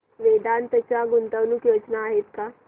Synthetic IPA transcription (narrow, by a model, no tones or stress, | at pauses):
ʋed̪ant̪ət͡ɕaɡunt̪əʋnukjod͡ʒnaːɦet̪ka